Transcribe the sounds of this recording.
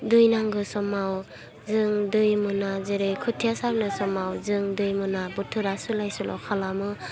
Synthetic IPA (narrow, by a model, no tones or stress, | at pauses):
dɯjnaŋɡɯsɔmaw | zɯŋdɯjmɯnazeɾejkʰɯtʰijasaɾnɯsɔmawzɯŋdɯjmɯnabutʰɯɾasulajsulʔɔ̰wkʰalamɯ